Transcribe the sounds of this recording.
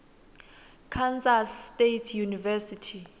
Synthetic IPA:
kʰant͡sʼastetʰjunivɛsitʰi

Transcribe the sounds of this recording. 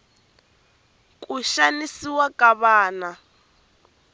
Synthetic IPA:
kʼuʃanisiwakʼaβaːna

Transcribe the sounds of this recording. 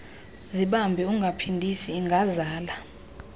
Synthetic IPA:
ziɓambʱɛuŋɡʱapʰindʱisiːŋɡʱazaːla

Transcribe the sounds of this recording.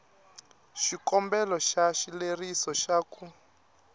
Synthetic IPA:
ʃikɔmbɛlɔʃaʃilerisɔʃaːku

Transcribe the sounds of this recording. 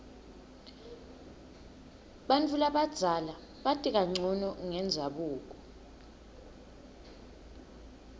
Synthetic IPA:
ɓantʼulaɓad̥z̥ʱala | ɓatʼik̬aŋ͡ǀʱɔnɔŋɛnd͡zʱaɓuːk̬ɔ̥

